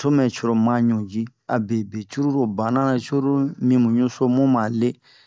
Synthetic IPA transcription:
to˦mɛ˨t͡ʃɔ˦ɾo˨mã˦ɲũ˨d͡ʒi˦a̰˨be˨be˨t͡ʃu˦ɾu˦ɾo˨bã˨nã˦na˨t͡ʃu˦ɾu˦mĩ˨˦mũ˨ɲũ˦so˦mõ˦mã˨le˦

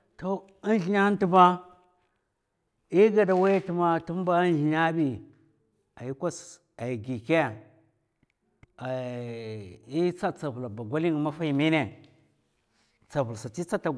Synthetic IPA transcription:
to˦ | i˦n˦ɬi˦ɲa˦n˦ti˦ma˦ | i˦ɡa˨da˨wa˦jti˦ma˦tu˦m˦ba˦n˦i˨ɲa˦bi˨ | a˨ji˦kʷa˦s | a˨i˨ɡi˨ke˦˨ | a˨ | i˦t͡sa˦t͡sa˨vu˨la˨ba˨ɡʷa˦li˦ŋ˨ma˦fa˦i˨mi˦ne˨ | t͡sa˨vu˨lsa˨t͡ʃi˦t͡sa˦ta˨

